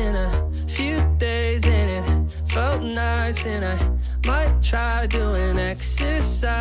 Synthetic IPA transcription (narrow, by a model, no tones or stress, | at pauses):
ɪ̃nɨ | fjʉdeɪzɪ̃nɪ̃t̚ | foʊtnaɪsɪ̃naɪ | maɪtʰɹ̥aɪduɪ̃nɛksə˞sa